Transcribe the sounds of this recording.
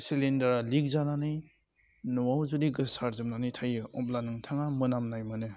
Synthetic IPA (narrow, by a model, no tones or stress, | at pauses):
silindaɾalik̚zananɯj | nɔwawzudiɡɯsaɾzɯmnanɯjtʰajɯʔɔp̚lanɯŋtʰaŋamɯnamnajmɯnɯ